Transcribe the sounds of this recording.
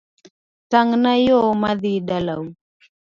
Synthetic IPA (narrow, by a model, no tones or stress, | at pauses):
taŋnajomaðiɗalaw